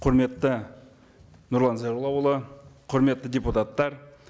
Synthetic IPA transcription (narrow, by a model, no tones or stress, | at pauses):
qʰʊɾme̞t̪ːə | nʊɾlˠɑnzaɾulˠɑwəlˠəqʰʊɾme̞t̪ːədʲeput̪at̪ːɑɾ